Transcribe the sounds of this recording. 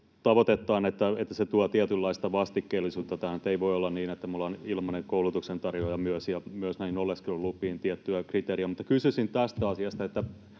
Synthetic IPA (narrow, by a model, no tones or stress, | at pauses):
t̪ɑʋot̪et̪ːɑːnet̪ːæet̪ːæset̪uɑt̪iæt̪ylːɑist̪ɑʋɑst̪ikːeːlːisuːt̪ːɑt̪æhænt̪ːeiʋoiolːɑnniːnet̪ːæmulːɑnilmɑneŋkoulut̪uksent̪ɑrjojɑmyøsjɑmyøsnæinolːeskilollupːˑiːnt̪iɛt̪ːyækrit̪eːriæmut̪ːɑ̥kysysint̪æst̪æɑsiɑst̪ɑet̪ːæ